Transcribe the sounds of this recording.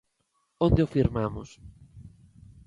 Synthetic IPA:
õnd̪eofiɾmamʊs

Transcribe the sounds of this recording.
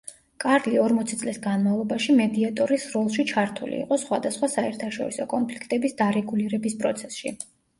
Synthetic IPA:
kʼaɾliɔɾmɔt̪sʰit̪sʼlisɡanmavlˠɔbaʃimɛd̪iat̪ʼɔɾisɾɔlˠʃit͡ʃʰaɾt̪ʰṵlḭːqʼɔsχwad̪asχwasaɛɾt̪ʰaʃɔ̰ɾisɔkʼɔnpʰlikʰt̪ʼɛbisd̪aɾɛɡuliɾɛbispʼɾɔt̪sʰɛ̥sʃḭ

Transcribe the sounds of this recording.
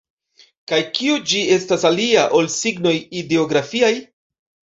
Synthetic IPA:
kajkiud͡ʒie̞stasaliaʔo̞lsiɡno̞jide̞o̞ɡɾafiaj

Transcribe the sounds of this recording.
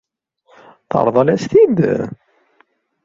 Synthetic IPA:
θə̰ɾˤðˤɑlæst̪id̪

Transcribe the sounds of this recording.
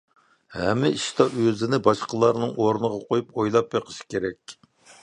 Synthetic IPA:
hɛmɪiʃt̪ɑøzɪnɪbɑʃqəlˠɑɾnɨŋʔoɾnəʁɑqʰojupojlˠɑp̚jeqʰə̥ʃi̥kʲeɾɛkʲ

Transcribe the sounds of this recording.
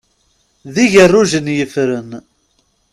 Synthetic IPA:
ðiʝərːuʒənjəfɾən

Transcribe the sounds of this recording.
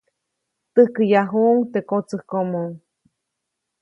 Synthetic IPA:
t̪ɨhkəjaɦuʔŋt̪ekot͡sɨhkomoŋ

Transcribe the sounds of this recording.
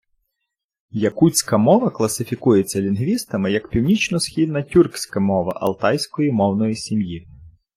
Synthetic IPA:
jɐkut͡sʲkɐmɔʋɐklˠɐsɪfʲikujet͡sʲːɐlʲinɦʋʲist̪ɐmɪjɐkpʲiwnʲit͡ʃnɔsxʲid̪nɐtʲurksʲkɐmɔʋɐʔɐ̰lˠt̪ɑjsʲkɔjimɔwnɔjisʲimji

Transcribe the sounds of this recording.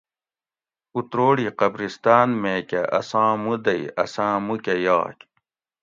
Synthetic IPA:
ut̪ɾoːɽiːqɐbɾist̪aːnmeːkeʔɐ̰sãːmud̪ɐiɐ̰sãːmukeja̰ːkʲ

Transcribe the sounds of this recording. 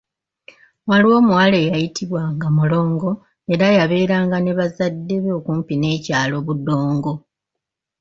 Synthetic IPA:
waliwo̞ːmuwale̞jajitʰiβwaŋɡamulo̞ːŋɡo̞ | e̞ɾajaβe̞ːɾaːŋɡaneβazadːe̞βoːkuːmpine̞ːcaːlo̞βudo̞ːŋɡo̞

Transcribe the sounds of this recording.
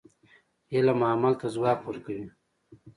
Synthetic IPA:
jelamaːmalt̪azwaːpuɾkawi

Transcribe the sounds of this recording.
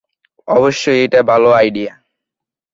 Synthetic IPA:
ɔboʃːojejʈabʱaloajɖija

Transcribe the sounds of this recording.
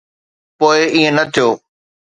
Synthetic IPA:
poːɪiẽnɐt̪ʰijoː

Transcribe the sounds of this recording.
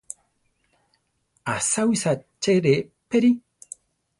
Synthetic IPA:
asawisat͡ʃeɾepeɾi

